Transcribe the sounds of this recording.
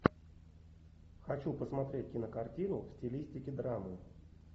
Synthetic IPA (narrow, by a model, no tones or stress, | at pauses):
xɐt͡ɕupəsmɐt̪ɾʲet̚ʲkʲɪnəkartʲinʊfsʲtʲɪlʲisʲtʲɪkʲɪd̪ɾamɨ